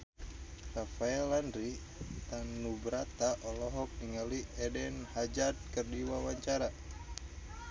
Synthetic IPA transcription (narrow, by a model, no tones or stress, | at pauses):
rafaɛlandɾi | t̪anːubəɾat̪aʔɔlɔɦɔk̚niŋaliɛdɛnhad͡ʒad̪̚kərdiwawaɲt͡ʃaɾa